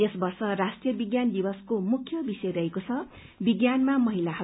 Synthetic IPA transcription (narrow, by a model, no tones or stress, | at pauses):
esbʌrsʌrasʈjʌbiɡjand̪ibʌskomukʰjʌbisʌjɾʌɦekot͡sʰʌ | biɡjanmamʌɦilaɦʌ